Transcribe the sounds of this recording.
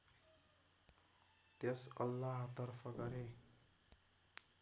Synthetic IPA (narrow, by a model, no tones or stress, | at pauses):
t̪esʌ̰lːaɦt̪ʌrfʰʌɡʌɾe